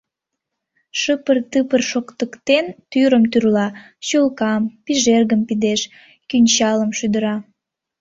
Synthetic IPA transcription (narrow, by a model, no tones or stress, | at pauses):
ʃɨpərt̪ɨpərʃokt̪əkt̪ent̪yɾəmt̪yrlɑ | ɕulkɑmpiʒerɣəmpid̪eʃ | kynʲt͡ɕɑləmʃyd̪əɾɑ